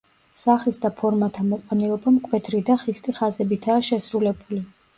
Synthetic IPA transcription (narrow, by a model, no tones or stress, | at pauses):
saχisd̪apʰɔɾmat̪ʰamɔqʼanɛɔbamkʼwɛt̪ʰɾid̪aχist̪ʼiχazɛbit̪ʰaːʃɛsɾulɛbuli